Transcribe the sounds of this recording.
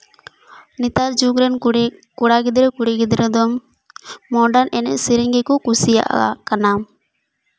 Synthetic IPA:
nit̪aɾd͡ʒuɡɾɛnkuɽaɡid̪ɾɛkuɽiɡid̪ɾɛd̪ɔmː | ɔɖanɛnɛ̰siɾɛŋɡɛkɔkusija̰ʔa̰kanam

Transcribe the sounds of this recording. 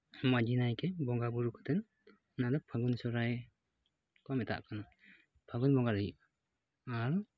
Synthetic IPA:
mad͡ʒinajkɛbɔŋɡabuɾukɔ̥t̪ɛn | nad̪ɔpʰaɡunsɔɾaj | kɔmɛt̪ʰa̰ʔkanɔ | pʰaɡunbɔŋɡaɾa | aɾɔ

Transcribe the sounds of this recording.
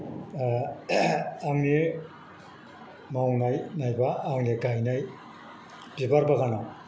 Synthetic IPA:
aŋni | mawnajnajbaːŋniɡajnaj | bibaɾbaɡana

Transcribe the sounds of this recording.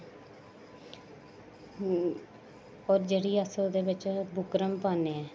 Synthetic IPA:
ɔːɾd͡ʒeːɽiːəsod̪eːʋɪt͡ʃbʱʊkɾəmpaːneːɛː

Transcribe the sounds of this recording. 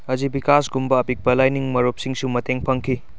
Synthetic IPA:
ɐzibikasɡumbɐːpik̚bɐlajniŋmɐɾop̚siŋsumɐteŋpʰɐŋkʰi

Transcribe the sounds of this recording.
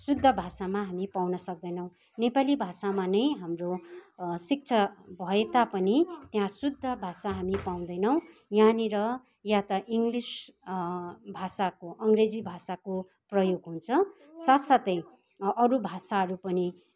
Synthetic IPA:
sud̪ʱːʌbʱasamaɦamipawnʌsʌk̚d̪ʌjnʌw̃ | nepalibʱasamanʌjɦamro | sik̚t͡sʰʌbʱʌet̪apʌnit̪jãsud̪ʱːʌbʱasaɦamipaw̃d̪ʌjnʌw̃janiɾʌ | jat̪ʌʔiŋɡlis | bʱasakoʔʌŋɡred͡zibʱasako | prʌjoɡɦunt͡sʰʌ | sat̪sat̪ʌj | ʌɾubʱasaɦʌɾupʌni

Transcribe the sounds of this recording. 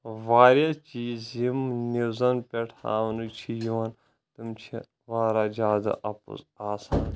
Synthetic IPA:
ʋaːɾʲjat͡ʃiːzjimniwzɐnpʲeʈʰa̰ːʋnut͡ʃʰijuɐn | t̪ɨmt͡ʃʰi | ʋaːɾaːzʲaːd̪ɐ̰ʔɐpṵzaːsaːn

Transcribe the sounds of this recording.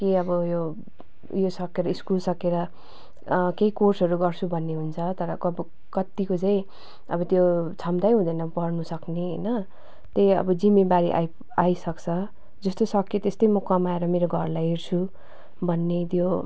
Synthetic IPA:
kiʌbʌjo | josʌkːeɾʌiskulsʌkeɾʌ | keikorsʌɾuɡʌrt͡sʰubʱʌnːeɦunt͡sʰʌt̪ʌɾʌkʌbʌ | kʌt̪ːikot͡sãĩ | ʌbʌt̪jot͡sʰʌmt̪ajɦũd̪ʌnʌpʌrnusʌkneɦʌ̰jnʌ | t̪eʌ̰bʌd͡zimːebaɾiʔa̰j | ajsʌkt͡sʰʌ | d͡zʌst̪osʌkːit̪est̪ʌjmʌkʌmaeɾʌmeɾoɡʱʌrlajɦert͡sʰu | bʱʌnːet̪jo

